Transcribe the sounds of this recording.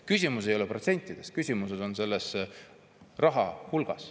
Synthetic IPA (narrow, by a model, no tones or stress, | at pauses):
kysʲimus̬e̞jo̞leprot̪se̞nʲt̪ˑːid̪̥e̞skysʲimuse̞d̪̥o̞nse̞lːe̞s | rɑɦɑhulɡ̥ɑ̰s